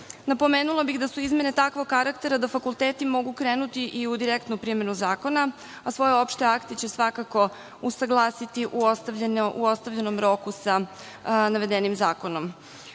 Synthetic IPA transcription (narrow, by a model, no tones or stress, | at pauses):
napo̞meːnulˠabiɣd̪asuizme̞ne̞t̪akʋoɡkːaɾakt̪e̞ɾad̪afakulˠt̪eːt̪imo̞ɡukɾeːnut̪iʔiud̪iɾekt̪nupɾime̞nuzaːko̞na | asʋo̞jeo̞pʃt̪eakt̪et͡ɕe̞sʋakako̞ | usaɡlˠaːsit̪iʔuost̪aʎnuost̪aʋʎeno̞mɾo̞kusa | naʋe̞d̪enimzaːko̞no̞m